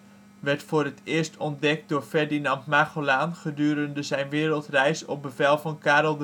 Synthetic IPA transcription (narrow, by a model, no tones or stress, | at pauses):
ʋɛɹtfoːrətɪːɹstʰɔndɛk̚t̚doːɹfɛɹdinɑntmaːχolaːnχədyːəɾəndəzɛjnʋɪːrəlˠtrɛjsɔ̰p̚bəvɛlˠvɑnkaːrəlˠd